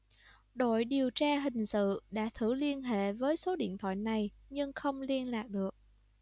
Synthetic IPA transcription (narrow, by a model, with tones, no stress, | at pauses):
ɗo̰˧˨jɗi˨˩əwt͡ɕaː˧ɦï˨˩ŋ̟sɨ̰˧˨ɗa̰ː˧˥t̪ʰɨ˧˩li˧ənɦḛ˧˨vəː˨˦jso˨˦ɗḭ˧˨ənt̪ʰwa̰ː˧˨jna˨˩j | ɲɨ˧ŋxə˧wŋ͡mli˧ənlaː˨˩k̚ɗɨ˨˩ək̚